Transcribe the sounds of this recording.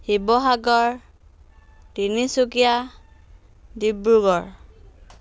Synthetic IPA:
hibɔɦaɡɔɹ | dinisukija | dibɹuɡɔɹ

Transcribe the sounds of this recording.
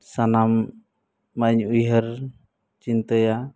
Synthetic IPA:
sanamː | aɲujɦəɾ | t͡ʃint̪əja

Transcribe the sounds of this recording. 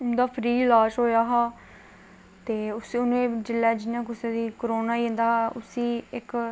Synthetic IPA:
ʊnd̪aːpʰɾiːlãːʃɦoːjaːɦaː | t̪eːʊsʊnẽːd͡ʒɪlːɛːd͡ʒɪnãːkʊsẽːd̪iːkəɾoːnaːĩːnd̪aːɦaːʔʊsiːɪk

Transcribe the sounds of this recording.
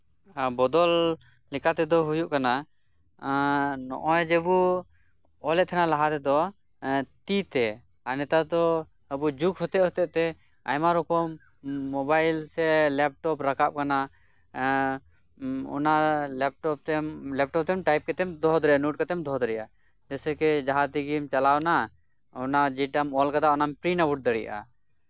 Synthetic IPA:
bɔd̪ɔl | lɛkʰat̪ɛd̪ɔɦujuʔkana | nɔ̰ʔɔjd͡ʒɛbu | ɔlɛʔ̚t̪ʰɛnalaɦat̪ɛd̪ɔ | t̪it̪ɛ | anɛt̪ad̪ɔ | əbud͡ʒukhɔt̪ɛʔɦɔt̪ɛʔt̪ɛ | a̰jmaɾɔkɔmː | ɔbajlsɛlɛp̚ʈɔpɾakap̚kana | ɔ̰nalɛp̚ʈɔp̚t̪ɛmlɛp̚ʈɔp̚t̪ɛmʈajp̚kɛt̪ɛmd̪ɔɦd̪ɾɛjanuʈ̚kɛt̪ɛmd̪ɔɦd̪ɾɛja | d͡ʒɛsɛkɛd͡ʒaɦat̪iɡimt͡ʃalawna | ɔnad͡ʒɛʈamɔlkad̪aɔnampɾinabuʈ̚d̪əɽḭʔa̰

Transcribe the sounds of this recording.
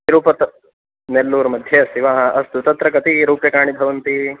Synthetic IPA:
ɾuːpɐt̪ɐ | nelːuːɾmɐd̪ʱjesiʋaːɦɐʔɐst̪ut̪ɐt̪ɾɐkɐt̪iɾuːpjɐkaːɳ̃ibʱɐʋɐnt̪i

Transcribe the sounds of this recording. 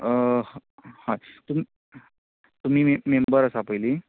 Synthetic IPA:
hãt̪umi | t̪um̤iːmembəɾəsapəjli

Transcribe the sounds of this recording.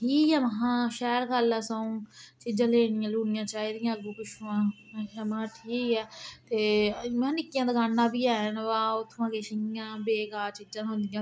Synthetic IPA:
ʈʰiːkɛːməɦãːʃɛːɾɡəlaːsãũːt͡ʃɪd͡ʒãːleːnɪjãːluːnɪjãːt͡ʃaːiːd̪ɪjãːəɡuːkʊʃuãː | amãːʈʰiːkɛːt̪eːmɛ̃ːnɪkːɪjãːd̪əɡaːnːãːbiːaːənʋaːot̪ʰːʋãːkeːʃɪãːbeːɡaːt͡ʃɪd͡ʒãːɦʊ̃nd̪ɪjãː

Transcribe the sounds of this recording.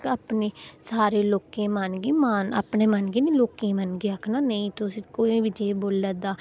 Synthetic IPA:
aːpneːsaːɾeːloːkẽːmanɡiːmana̰pneːmənɡiːniːloːkẽːmənɡiːakʰnaːnəĩːt̪ʊsĩkoːiʋɪd͡ʒeːboːləːd̪aː

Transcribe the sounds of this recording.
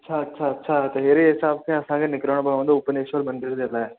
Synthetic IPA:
ɐtːʃʰaɐtːʃʰaɐtːʃʰat̪ɐɦeːɾiɦɪsaːb̚kʰẽɐsãkʰenɪkɾəɽ̃obɐɽaõnd̪oʊpəneːʃʋəlbɐ̃nd̪əɾd̪eːlaːɛ

